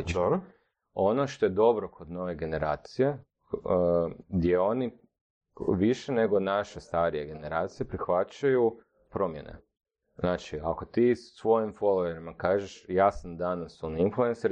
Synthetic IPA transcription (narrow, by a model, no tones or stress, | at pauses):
t͡ʃɾ | o̞noʃt̪o̞jed̪o̞bɾokʰod̪no̞ʋe̞ɡe̞ne̞ɾaːt̪sije̞ | ɡd̪jeo̞ni | ʋiʃene̞ɡonaʃe̞st̪aɾije̞ɡe̞ne̞ɾaːt̪sije̞pɾixʋat͡ʃaju | pɾo̞mjḛnḛ | znaːt͡ʃiako̞t̪iːssʋo̞jimfo̞lˠoeɾimakaːʒeʃjaːsand̪anasoninflue̞nsaɾ